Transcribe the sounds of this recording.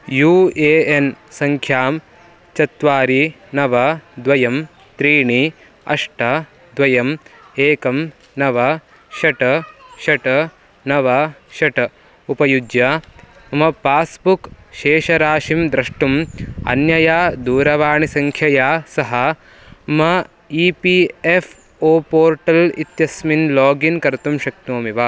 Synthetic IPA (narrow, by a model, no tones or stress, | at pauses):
juːeːensɐŋkʰjaːm | t͡ʃɐt̪ʋaːɾi | nɐʋɐd̪ʋɐjɐm | t̪ɾiːɳi | ɐ̰ʂʈɐ | d̪ʋɐjɐm | eːkɐm | nɐʋɐ | ʃɐʈɐʃɐʈɐ | nɐʋɐʃɐʈɐ | upɐjud͡ʒjɐ | mɐpaːsbukʃeːʃɐɾaːʃimd̪ɾɐʂʈumɐ̰njɐjaːd̪uːɾɐʋaːɳisɐŋkʰjɐjaːsɐɦɐ | mɐ | iːpiefʰ | oːpoːɾʈɐlḭt̪jɐsminloːɡinkɐɾt̪umʃɐk̚t̪oːmiʋaː